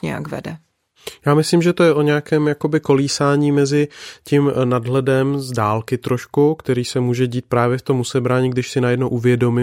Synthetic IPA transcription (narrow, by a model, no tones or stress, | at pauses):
ɲɛ̰ja̰kvɛ̰dɛ | jaːmɪslimʒɛt̪o̞jɛʔo̞ɲɛakɛːmjako̞bɪko̞liːsaːɲiːmɛzɪcimnadɦlɛdɛmzdaːlkɪt̪ɾo̞ʃkukt̪ɛɾiːsɛmuːʒɛɟiːt̪̚pɾaːvjɛft̪o̞musɛbɾaːɲiːɡdɪʃsɪnajɛdnowʔuvjɛdo̞mɪ